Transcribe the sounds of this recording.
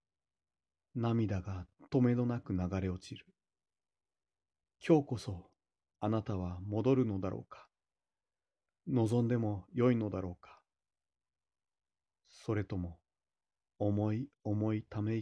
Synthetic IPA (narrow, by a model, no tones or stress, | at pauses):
namʲid̪aɡat̪o̞me̞no̞nakɯ̟naɡaɾe̞ot͡ɕiɾɯ̥ | kʲo̞ːko̞so̞ | anat̪aβ̞amo̞d̪o̞ɾɯ̟no̞d̪aɾʔo̞̰ːkḁ | no̞zõ̞nd̪e̞mo̞jo̞ino̞d̪aɾo̞ːkḁ | so̞ɾe̞t̪o̞mo̞ː | mo̞io̞mo̞it̪ame̞